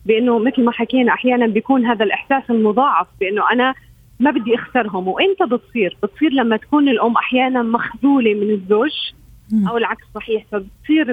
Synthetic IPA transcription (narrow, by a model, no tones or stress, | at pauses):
bɪʔɪnːomɪt̪lmaħakiːnaʔaħjaːnanbjakuːnɦaːðalʔɪħsaːsɪlmʊd̪ˤɑːʕɑfbɪʔɪnːoʔana | mabɪd̪ːiʔaxt̪ɑɾˤɦʊmwʔɪnt̪abɨt̪sˤiːɾbɨt̪sˤiːɾlamːat̪ḁkuːnɪlʔʊmːʔaħjaːnanmaxzuːlemɪnɪzːoːʒʔawɪlʕaksːˤɑħiːħfabɪt̪sˤiːɾ